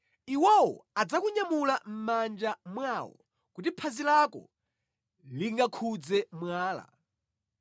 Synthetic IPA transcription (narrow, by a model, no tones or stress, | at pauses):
iwɔwɔ̰ad͡zakuɲamulam̩mand͡ʒamwawɔ̰ | kut̬ipʰazilakɔ̰ | liŋɡakʰud͡zɛmwaːla̰